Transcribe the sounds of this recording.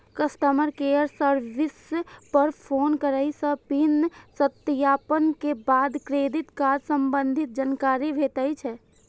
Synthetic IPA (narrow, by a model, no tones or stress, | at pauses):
kəsʈəməɾkeəɾsəɾʋispəɾpʰoːnkəɾəjsə̃pinsət̪jaːpənkebaːd̪kɾed̪it̪kaːɾsəmbənd̪ʱit̪̚d͡ʒənkaːɾibʱet̪əjt͡ʃʰɛ